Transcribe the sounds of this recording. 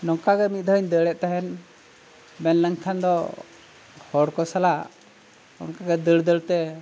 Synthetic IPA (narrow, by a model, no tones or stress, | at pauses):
nɔŋkaɡɛmit̪̚d̪ʱəəɲd̪əɽɛʔ̚t̪aɦɛn | mɛnləŋkʰand̪ɔ | hɔɽkɔsala | ɔ̰ŋkaɡɛd̪əɭd̪əɽt̪ɛ